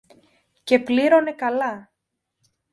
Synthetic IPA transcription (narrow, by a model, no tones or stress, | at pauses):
ce̞pliɾo̞ne̞kɐlɐ